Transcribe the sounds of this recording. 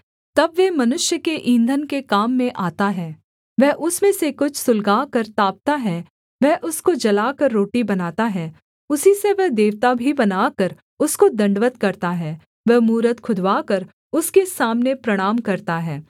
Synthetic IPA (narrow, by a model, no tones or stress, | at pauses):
t̪ɐbʋɛmɐnʊʃjəkeʔĩːnd̪ʱənkekaːmːẽʔaːt̪aɦɛː | ʋɛɦʔʊsmẽsekʊt͡ʃʰsʊlɡaːkɐɾt̪aːp̚t̪aɦɛː | ʋɛɦʔʊskod͡ʒɐlaːkɐɾːoːʈibɐnaːt̪aɦɛː | ʊsiseʋɛɦd̪eːʋt̪abʱibɐnaːkəɾ | ʊskod̪ɐ̃ɳɖʋət̪kɐɾt̪aɦɛː | ʋɛɦmuːɾət̪kʰʊd̪ʋaːkɐɾ | ʊskesaːmnepɾɐɽ̃aːmkɐɾt̪aɦɛː